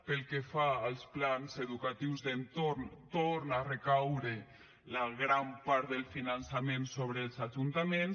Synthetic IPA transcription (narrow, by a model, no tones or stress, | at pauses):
pelˠkefaəlˠsplanzeðukat̪iwzðent̪oɾnt̪oɾnarekawɾe | laɣɾampaɾd̪elˠfinansamensoβɾelˠzaʒunt̪amens